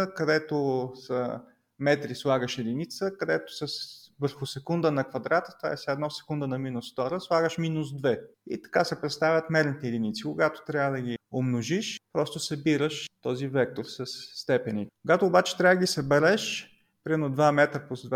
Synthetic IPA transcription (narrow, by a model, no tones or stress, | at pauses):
kɐd̪ɛt̪osə | mɛt̪ɾislˠaɡəʃɛd̪init̪səkɐd̪ɛt̪ʊ̥səsvəɾxʊsɛkund̪ənɐkvɐd̪ɾat̪ət̪a̰ɛsʲaɛd̪nɔsɛ̥kund̪ənɐminʊsft̪ɔɾəslˠaɡəʃminusd̪vɛḭt̪ɐ̥kasɛpɾɛt̪st̪avʲət̪mɛɾnit̪ɛɛd̪init̪sikʊɡat̪o̥t̪ɾʲavəd̪ɐɡʲiomnoʒiʃpɾɔst̪ʊsɐbiɾəʃt̪ɔzivɛk̚t̪oɾsəsːt̪ɛpɛnikʊɡat̪oːbat͡ʃɛ̥t̪ɾʲavəd̪əɡʲisɐbɛɾɛʃ | pɾʲiɛnod̪vamɛt̪ɾəpozd̪v